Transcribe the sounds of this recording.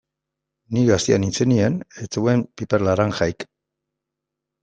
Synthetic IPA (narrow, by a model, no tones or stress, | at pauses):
niɣast̪ianint͡senienet͡sewempipeɾlaɾaŋxajk